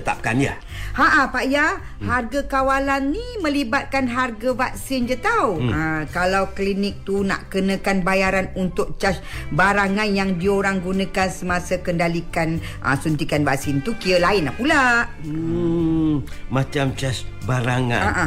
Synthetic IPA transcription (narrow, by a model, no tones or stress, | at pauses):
ət̪a̰p̚kanja̰ | haʔapaʔja | harɡakawalanːimə̃libat̪̚kanɦarɡavak̚sɪnd͡ʒət̪awakalawklinɪk̚t̪una̰ʔkənə̃kanbajaɾanunt̪ʊk̚t͡ʃasbaɾaŋanjaŋdioɾaŋɡunə̃kansəmasəkəndalikan | ʔə̰sunt̪ikanvak̚sɪnt̪ukiəlaɪnahpulaʔ | mat͡ʃamt͡ʃasbaɾaŋa̰aʔa